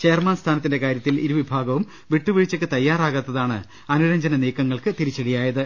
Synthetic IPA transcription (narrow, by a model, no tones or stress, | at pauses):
t͡ɕejɐrmaːnst̪ʰaːnɐt̪ːinde̞kaːɾjɐt̪ːiliɾuʋibʱaːɡɐʋum | ʋiʈːuʋiɻit͡ɕːɐkːɨt̪ɐjːaːraːɣɐt̪ːɐðaːɳɨ̰ | ɐnuɾɐɲd͡ʑɐnɐniːkːɐŋːɐɭkɨt̪iɾit͡ɕːeɽijaːjɐðɨ